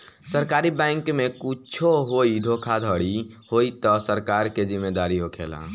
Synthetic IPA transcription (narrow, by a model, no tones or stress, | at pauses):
səɾkaɾibɛ̃ɪŋkmekut͡ʃʰoɦoid̪ʱokʰad̪ʱəɽi | hoit̪ɔsəɾkaɾked͡ʒimːed̪aɾiɦokʰḛla̰